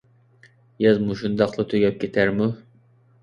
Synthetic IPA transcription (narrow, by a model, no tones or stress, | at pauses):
jɑzmuʃund̪ɑqlˠɨt̪ʰoɡʲɛp̚kʲʰet̪ʰæɾmu